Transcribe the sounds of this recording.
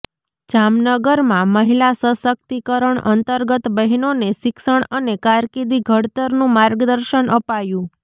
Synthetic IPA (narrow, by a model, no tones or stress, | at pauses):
d͡ʒamnəɡəɾmãməɦilasəsək̚t̪ikəɾəɳə̰nt̪əɾɡət̪bəɦinonesɪkʃəɳənekaɾkid̪iɡʱəɽt̪əɾnũmaɾɡd̪əɾʃənʔəpajũ